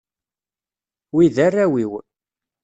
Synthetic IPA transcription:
wiðərːæwiw

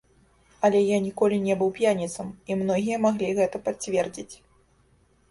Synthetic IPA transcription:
ɐlʲɛjanʲikɔlʲinʲɛbɨwpʲjanʲit̪sɐmimnɔɣʲijɐmaɣlʲiɣɛt̪ɐpat͡sʲvʲɛrd͡zʲit͡sʲ

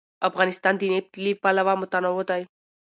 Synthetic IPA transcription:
əfɣanist̪ant̪inep̚t̪lipaləʋamut̪anɔɦot̪aj

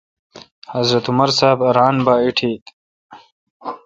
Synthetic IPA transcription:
hɐzɾɐt̪umɐɾsaːbɾaːnbaːiʈʰeːt̪

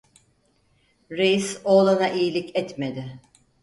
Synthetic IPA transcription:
ɾejisolˠanaʔijilʲicɛt̪me̞d̪ɪ

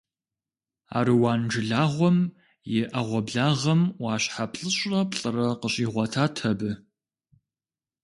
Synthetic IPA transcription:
a̰ːɾɨwaːnd͡ʒɨɮaːʁʷɔm | jɪʔɐʁʷɔbɮaːʁɐmwɑːɕħapɬʼɨɕʷʼɐpɬʼɨrɐqəɕʼiːʁʷɐtʰaːtʰɐbɨ

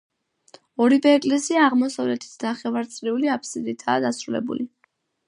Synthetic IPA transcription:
ɔɾibɛːkʼlɛsiaːʁmɔsavlɛt̪ʰi̥t̪ʰnaχɛvaɾt̪sʼɾiuliapʰʼsid̪it̪ʰaːd̪asɾulɛ̰bṵli

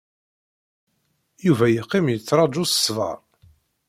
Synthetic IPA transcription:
juvæjəqːimjət͡sːɾˤɑd͡ʒusə̥svɑ̰ɾˤ

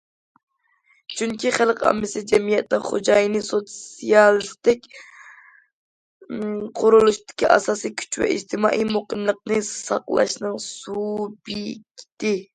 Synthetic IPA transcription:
t͡ʃʰyŋkʲiχælˠqɑ̰mːɪsɪd͡ʒɛmijɛt̪nɪχo̰d͡ʒɑjnɨsot̪sijɑlˠist̪ɪkʲ | qʰʊɾulˠuʃt̪ɪ̥kʲʰiʔɑ̰sɑsikʲʰy̥t͡ʃʰvɛ̰ʔḭd͡ʒt̪ʰɪmɑ̰ːʔijmoqəmlˠəq̚nɨsɑqlˠɑ̰ʃnɨŋsubikʲi̥t̪ɪ

